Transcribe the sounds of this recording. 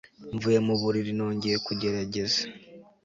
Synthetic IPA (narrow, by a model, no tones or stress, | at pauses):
ɱvuje̞muβuɾiɾino̞ːɲɟeekuɟe̞ɾaɟe̞zḁ